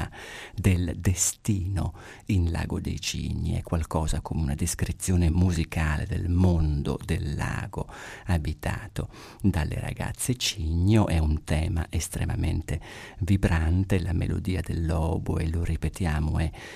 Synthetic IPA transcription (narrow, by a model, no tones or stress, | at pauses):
ad̪eld̪est̪iːno | inla̰ːɡod̪ḛjt͡ʃḭɲːiɛ̰kːwalkɔːzakʰomeunad̪eskɾit̪sːjoːnemuzikʰaːlḛd̪ḛlmond̪o̰d̪elːa̰ːɡoabit̪ʰaːt̪o | d̪alːḛɾa̰ɡa̰t̪sːet͡ʃiɲːoʔɛunt̪ɛːma̰ʔest̪ɾḛmamḛnt̪evibɾant̪elamḛlo̰d̪iːad̪elːɔːboeloripet̪jaːmoɛ